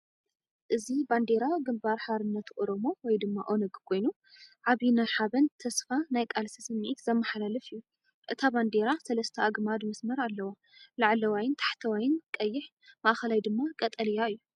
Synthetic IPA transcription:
ʔɨziband̪e̞ɾawɡɨmbaɾħaɾɨnːɐt̪ʔoɾo̞mo̞wɔjd̪ɨmːaʔo̞nɨɡkʰo̞jnu | ʕaβinaħaβɐnt̪ʰɐsfanajkʼalsisɨmːʕit̪zɐmːɐħalalɐfɨjːu | ʔɨt̪ʰaband̪eɾasɐlɐst̪ʰɐaɡmad̪mɐsmɐɾalːɐwa | laʕlɐwajɪnt̪ʰḁħt̪ʰɐwajɪnkʼɐjːɪħ | maʔxɐlajd̪ɨmːakʼɐt̪ʼɐlijaɨjːu

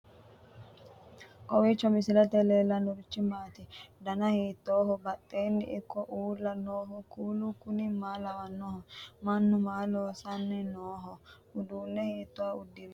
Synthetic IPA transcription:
kɔwit͡ʃːɔmɪsɪlɐt̪ɛleːlɐnʊɾt͡ʃːɪmaːt̪ɪd̪ɐnɐhiːt̪ːoːhɔbɐt̪ʼːeːnːɪ̰ʔɪkːɔʔuːlːɐnoːɦɔkuːlukʊnɪmaːlɐwɐnːɔhɔmɐnːʊmaːloːsɐnːɛnoːɦɔ | ʊd̪uːnːɛhiːt̪ːɔwaʊd̪ːɪɾ

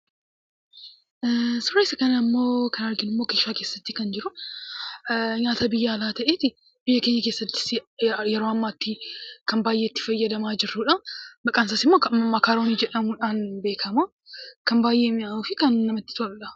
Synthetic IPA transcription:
sʊɾːesɐkɐnɐmːo̞ːkɐnɐɾɡɪnɪmːo̞ːkeːʃaːke̞ːsːɐt̪ːikɐnd͡ʒɪɾʊ | ɲaːt̪ɐbɪjːaːlaːt̪ɐʔeːt̪ɪ | bɪjːɐke̞ːɲːɐkeːsːɐt̪ːɪ̥sjɛɾo̞ːɐmːaːt̪ːɪkɐnbaːjːeːt̪ːɪ̥fɐjːɐd̪ɐmaːd͡ʒɪɾːuᶑɐbɐkʼaːnsaːsɪmːo̞ːkɐɐmːaːkaːɾoːniːd͡ʒɛᶑɐmuᶑaːnbe̞ːkʰɐmu | kɐmbaːjʔe̞ːmɪamuːfɪkɐnːɐmɐt̪ːɪ̥t̪oʔɐ

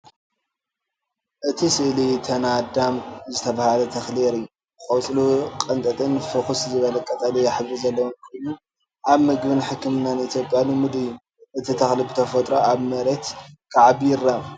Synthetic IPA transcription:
ʔɨt̪ʰisɨʔlit̪ʰɐnad̪amzɨt̪ʰɐβahalɐt̪ʰɐxleɾɨjːu | kʼɐwt͡sʼlukʼɐnt̪ʼɐt̪ʼɨnfɨxuszɨβɐlɐkʼɐt̪ʼalijaħɨβɾizɐlːɐwunkʰojnu | ʔaβmɨɡbɨnħɨkːɨmɨnːanit̪ʰjo̞pʼjanɨmɨd̪ɨjːu | ʔɨt̪ʰit̪ʰɐxlibɨt̪ʰɐfot̪ʼɾoʔaβmɐɾɐt̪kʰaʕβjɪɾam

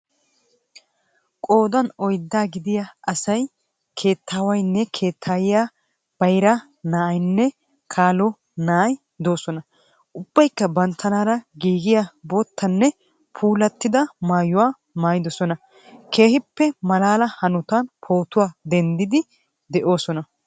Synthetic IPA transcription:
kʼo̞ːd̪ɐnɔjd̪ːaːɡɪd̪ɪjaʔɐsɐj | kʰe̞ːt̪ʰːaːwɐjnːɛkʰe̞ːt̪ʰːaːjɪjaː | b̥ɐjɾɐ | naːɐjnːɛ | kʰaːlɔ | naːj | d̪o̞ːsɔnɐ | ʔʊb̥ːɐjkːɐbɐnt̪ʰːɐnaːɾɐɡiːɡɪjaboːt̪ʰːɐnːɛ | pʰuːlɐt̪ːɪd̪ɐmaːjʊwaː | maːjɪd̪ɔsɔnɐ | kʰe̞ːhɪpːɛmɐlaːlɐhɐnʊt̪anpʰo̞ːt̪ʊwaːd̪ɛnd̪ɪd̪ɪ | d̪ɛʔo̞ːsɔnɐ

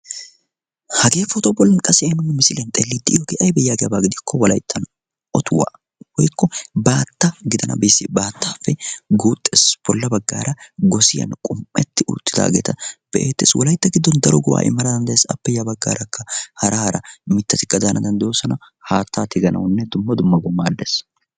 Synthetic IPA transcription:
hɐɡ̪eːfːɔt̪ɔbɔlːɐnkʼɐsɪɐnːʊmːɛmɪsɪlɛnt̪ʼelːit̪ːɪjɔɡɛʔɐjbɛjːaːɡɛjɐbaːɡɪd̪ɪkʰːɔwɐlɐ̰jt̪ʰːɐn | ʔɔt̪ʊwa̰ː | hɔjkːɔbaːt̪ːɐɡɪd̪ɐnɐ̰bɛsːɪbaːt̪ʰːaːfːɛɡuːt̪ʼːɛsb̥ɔlːɐbɐɡːa̰ːɾɐɡɔsɪjɐ̰nkʼʊmːɛt̪ːɪʔʊ̰t̪ːɪ̥d̪a̰ːɡḛːt̪ʰɐb̥ɛʔeːt̪ːeːswʔɔlɐjt̪ːɐɡɪd̪ːɔnd̪ɐɾɔɡʊwa̰ːʔɪ̰mːɐɾɐd̪ɐnd̪ɐjesɐpːɛjɐbɐɡːa̰ːɾɐkːɐhɐɾʔɐhɐɾɐmɪt̪ːɐt̪ɪkːɐd̪aːnʔɐd̪ɐnd̪jɔsɐnɐ | haːt̪ʰːaːt̪ʰɪɡɐnʔɐ̰wnːɛd̪ʊmːɐd̪ʊmːɐɡɔmːaːd̪ːes

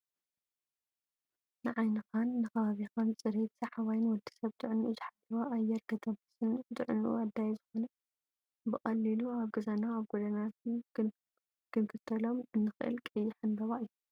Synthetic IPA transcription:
nɨʕajnɨxanːɨxɐβaβixant͡sʼɨɾet̪z̥ɐħaβajnwɔd̪ːi̥sɐβt̪ʰɨʕɨnːuʔuzɨħalːiβaʔajːɛɾkʰɐt̪ʰɐbɨsɨnt̪ɨʕɨnʔṵwad̪ːajzɨxonɐ | bɨxʼɐlːiluaβɡɨzanaːβɡod̪ɐnat̪ | kʰɨnkʰɨt̪ʰːɐlo̞mʔɨnːɨxɨʔɨ̰lkʼɨjːɪħanb̪ɐβaʔɨjːu

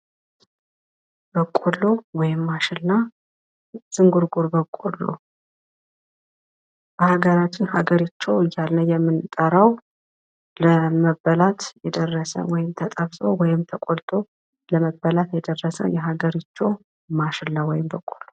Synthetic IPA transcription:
b̥əkʼolːo̞wɔjɪmːaʃɪlna | z̥ɨŋɡuɾɡuɾbəkʼːolːo̰ | b̥əhaɡəɾat͡ʃːɪnhaɡəɾit͡ʃːɛwɨjːalnəjɛmːɨnt̪ʼəɾəw | ləməbːəlat̪jɛd̪ərːəsə̰wɔjɪmt̪ʰət̪ʼəβsʼowɔjɪmt̪ʰəkʼolt̪ʼʰo̞ | ləməbːəlat̪jɛd̪ərːəsə̰jɛɦaɡəɾit͡ʃːɛw | maʃɪlnawɔjɪmbəkʼolo

